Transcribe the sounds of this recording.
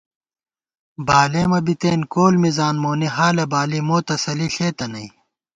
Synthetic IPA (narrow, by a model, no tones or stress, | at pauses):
baːleːmɐbit̪eːnkoːlmizaːnmoːniɦaːlɐbaːlimoːt̪ɐsɐliɬeːt̪ɐnɐi